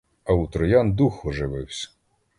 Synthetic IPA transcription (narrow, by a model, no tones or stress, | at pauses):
ɐut̪ɾɔjɑnd̪uxɔʒɪʋɪwsʲɐ̥